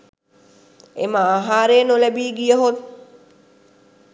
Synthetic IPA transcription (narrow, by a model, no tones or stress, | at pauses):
ḛməaɦaːɾeːnolɛbiːɡijəɦot̪̚